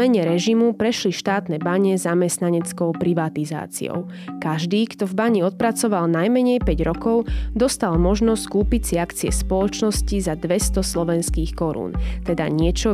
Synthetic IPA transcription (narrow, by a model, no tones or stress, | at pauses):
ɛɲɛɾɛʒimupɾɛʃliʃt̪aːt̪nɛbaɲɛzamɛst̪naɲɛt͡skɔʊpɾiʋat̪iza̰ːt͡sḭɔ̰ʊ | kaʒd̪iːkt̪ɔvbaɲiɔt̪̚pɾat͡sɔʋalnajmɛɲɛjpɛɟɾɔkɔʊd̪ɔst̪almɔʒnɔsskuːpit͡siakt͡siɛ̰spɔlɔt͡ʃnɔscizad̪ʋɛst̪ɔslɔʋɛnskiːxkɔɾṵːnt̪ɛd̪a̰ɲɪɛt͡ʃɔ